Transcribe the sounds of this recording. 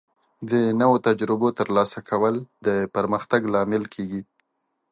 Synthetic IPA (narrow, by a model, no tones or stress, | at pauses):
d̪ənawot̪ad͡ʒɾɪbot̪əɾlɑsakʰawəld̪əpəɾməxt̪aɡlɑmɪlkʰeɡi